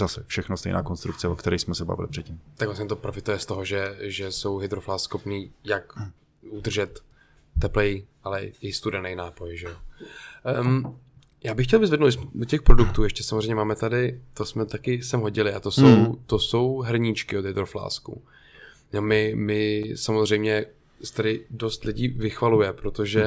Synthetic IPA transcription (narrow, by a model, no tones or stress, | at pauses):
zasɛfʃɛxnost̪ɛ̰jna̰ːkonst̪ɾukt͡sɛokt̪ɛɾɛjsmɛsɛba̰vɪ̰lɪpr̥ɛt̪̚cimt̪akɡvlasɲɛt̪opɾofɪt̪ujɛst̪oɦoʒɛʒɛso̞wɦɪd̪ɾoflaːssxopniːjak | ʔud̪r̩ʒɛt̪ː | ɛplɛjʔalɛɪst̪udɛnɛjnaːpo̞jʒɛjo | jaːbɪxːcɛlvɪzvɛdnowlɪsmɛdocɛxpɾodukt̪uːjɛʃcɛsamozr̝ɛjmɲɛmaːmɛt̪adɪt̪osmɛt̪akɪsɛmɦo̞ɟɪlɪat̪o̞sowt̪o̞so̞wɦr̩ɲɪt͡ʃkɪo̞d̪ɦɪd̪ɾo̞fla̰ːskṵ | nomɪmɪsamozr̝ɛjmɲɛ | st̪adɪdo̞st̪lɪɟiːvɪxvalujɛpɾot̪oʒɛ